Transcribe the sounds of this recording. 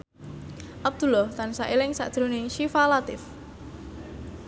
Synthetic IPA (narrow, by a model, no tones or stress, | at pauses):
ʔab̚d̪̥ṳlɔht̪ansaʔilɪŋsa̰ʔd̥ʒ̥ɾonɪŋʃifalat̪ɪf